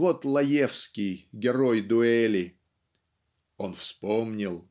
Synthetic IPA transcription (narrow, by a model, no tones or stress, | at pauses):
vot̪lˠɐjefskʲɪjɡʲɪɾojd̪ʊɛlʲɪ | o̞nfspomnʲɪlˠ